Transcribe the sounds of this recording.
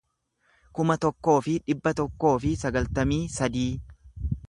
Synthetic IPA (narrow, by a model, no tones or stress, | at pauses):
kʊmɐt̪ɔkːo̞ːfɪᶑɪbːɐt̪ɔkːo̞ːfɪsɐɡɐlt̪ɐmiːsɐd̪iː